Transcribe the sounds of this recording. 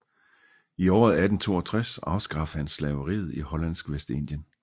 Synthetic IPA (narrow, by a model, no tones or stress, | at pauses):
iɒ̰ːð̩ˠæd̥n̩t͡sʰo̝̰ːɒt͡sʰʁasɑ̈ʊsɡ̥ʁɑ̈f̩hænslɛːʊəʁḭːð̩ˠihɒ̽lænsɡ̥ʋesd̥e̝n̰d̥jən